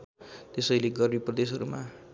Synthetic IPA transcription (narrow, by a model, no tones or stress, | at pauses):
t̪esʌjleɡʌrmiprʌd̪esɦʌɾuma